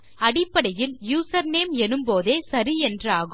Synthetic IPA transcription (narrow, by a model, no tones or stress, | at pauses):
ɐɽɪpːɐɽɐjɪljuːsɐɾneːmɛnɯmpoːðeːsɐɾiɛndraːɣ